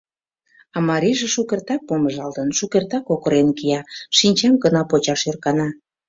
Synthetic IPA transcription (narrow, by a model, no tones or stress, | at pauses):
ɑmɑɾʲiʒĕʃukert̪ɑk̚poməʒɑlt̪ənʃukert̪ɑkokəɾenkijɑʃinʲt͡ɕɑmɡənɑpot͡ɕɑʃørkɑnɑ